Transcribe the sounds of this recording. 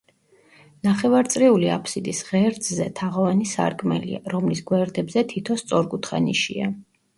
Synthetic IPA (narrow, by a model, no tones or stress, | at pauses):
naχɛvaɾt̪sʼɾiulia̰pʰsid̪isʁɛɾd̪ʼzɛt̪ʰaʁɔvanisa̰ɾkʼmɛ̰lḭa̰ɾɔmlisɡwɛɾd̪ɛbzɛt̪ʰit̪ʰɔst̪sʼɔɾɡut̪ʰχa̰niʃḭa